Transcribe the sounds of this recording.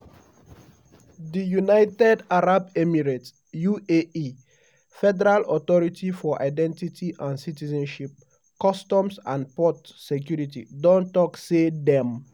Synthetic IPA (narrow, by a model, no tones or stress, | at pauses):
dijunaɪtɛdaɹabɛmiɹet | juei | fɛdɛɹalɔt̪ɔɹitʰifɔʔa̰ɪdɛ̃ntitʰiʔãnsitizɛ̃nʃip̚ | kɔstɔ̃msãnpɔtsek̬juɹitḭdɔ̃ntɔksedɛ̃m